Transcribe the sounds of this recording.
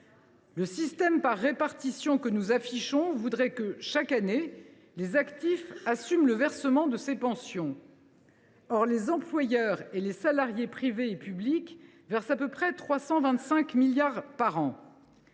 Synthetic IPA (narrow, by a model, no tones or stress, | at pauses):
ləsist̪ɛmpaʁːepaʁt̪isjɔ̃kənuzafiʃɔ̃vud̪ʁɛkəʃakane | lezakt̪ifasymləvɛʁsəmɑ̃d̪əsepɑ̃sjɔ̃ | ɔʁlezɑ̃plwajœʁelesalaʁjepχiveːpyblik | vɛʁsapøpχɛt̪χwasɑ̃vɛ̃t̪sɛ̃kmiljaʁpaʁɑ̃